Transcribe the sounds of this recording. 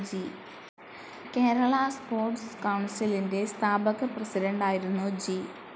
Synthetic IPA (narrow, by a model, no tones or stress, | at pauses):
d͡ʑi | ke̞ːɾɐɭɐspo̞ːrʈskɐwɳsilinde̞st̪ʰaːbɐɣɐprɐsiɾɐɳɖaːjiɾunːud͡ʑi